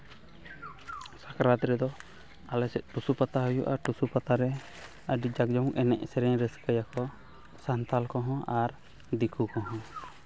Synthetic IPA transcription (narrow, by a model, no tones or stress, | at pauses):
sakɾat̪ɾɛd̪ɔ | alɛsɛt̪̚ˀʈusupat̪aɦujuʔaʈusupat̪aɾɛ | əɖid͡ʒak̚d͡ʒɔwɛnɛ̰ʔsɛɾɛɲɾɛsə̥kəjakɔ | sant̪alkɔɦɔ̃ʔaɾ | d̪ikʰukɔɦɔ̃